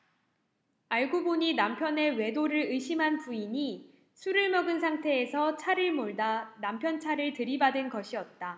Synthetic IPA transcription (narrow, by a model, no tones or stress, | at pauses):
aɭɡoboɲinampʰjʌne̞we̞doɾɯɭɯɕʰimɦanpuiɲi | sʰuɾɯɭmʌɡɯnsʰaŋtʰe̞ːsʰʌt͡ɕʰaɾɯɭmoɭdanampʰjʌnt͡ɕʰaɾɯɭtɯɾibadɯnɡʌɕʰiʌt̚t͈a